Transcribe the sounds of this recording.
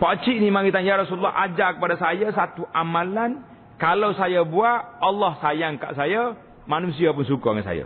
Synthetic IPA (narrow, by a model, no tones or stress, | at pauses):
pat͡ʃiʔnimaŋit̪anjaɾɔsululːɑ̰ad͡ʒakəpadasajasat̪uʔamalan | kalawsajabuaʔɑlːɔhsajaŋka̰ʔsaja | manus̬iap̬ʊnsukua̰ŋansa̰ja̰